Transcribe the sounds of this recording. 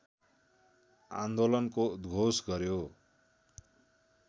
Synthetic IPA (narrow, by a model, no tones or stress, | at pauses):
a̰nd̪olʌnkod̪ɡʱosɡʌɾjo